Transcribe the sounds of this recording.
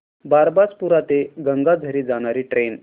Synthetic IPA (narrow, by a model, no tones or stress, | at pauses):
baɾbad͡zpuɾat̪eɡəŋɡad͡zʱəɾiːd͡zaɽ̃aɾiːʈɾen